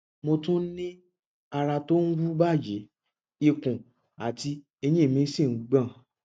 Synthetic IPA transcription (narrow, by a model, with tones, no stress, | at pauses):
mo˧tũ˦nĩ˦ | a˧ɾa˧to˦ŋ̩˦ɡu˦ba˦˨je˨˦ | i˧kũ˨ | a˨ti˧ | e˧j̃ĩ˦˨mĩ˨˦sĩ˦˨n̩˦ɡ͡bã˦˨